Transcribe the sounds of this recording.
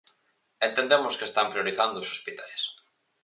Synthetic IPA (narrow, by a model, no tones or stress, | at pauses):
ent̪end̪emʊskest̪ampɾioɾiθand̪oosospit̪ajs